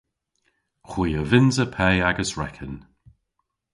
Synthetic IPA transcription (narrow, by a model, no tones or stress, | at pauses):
xwiːəvɪnzəpʰɛjaɡəsɹɛ̰kʰən